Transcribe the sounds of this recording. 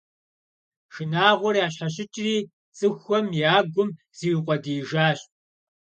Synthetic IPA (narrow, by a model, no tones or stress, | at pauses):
ʃɨnaːʁʷɔrjaːɕɐɕ̬ʼɪt͡ʃʼriː | t͡sʼɨxʷɔmjaːɡʷʊm | z̥iqʷʼɔdiːʒaːɕ